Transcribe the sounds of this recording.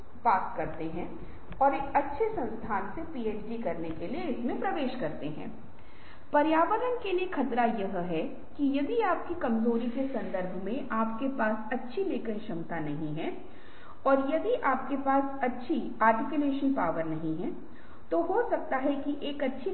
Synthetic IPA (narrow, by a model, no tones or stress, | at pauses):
paːkkɐɾt̪eɦɛ̃ː | ɔːɾekɐtːʃʰesɐ̃nst̪ʰaːnsepiːeːt͡ʃɖikɐɾnekelijeɪsmẽpɾɐʋeːʃkɐɾt̪eɦɛ̰̃ː | pɐɾjaːʋəɾənkeliekʰɐt̪ɾajɐɦɦɛ | kijɐd̪iaːp̚kikɐmzoːɾikesɐ̃nd̪əɾbʱmẽʔaːp̚kepaːsɐtːʃʰileːkəɾ̃ʃɐ̃mt̪anɐɦĩɦɛ̃ | ɔːɾjɐd̪iʔaːp̚kepaːsɐtːʃʰi | aːɾʈɪkjuleːʃənpaːʋəɾnɐɦĩɦɛ̃ | t̪oɦosɐk̚t̪aɦɛkiʔeːkɐtːʃʰi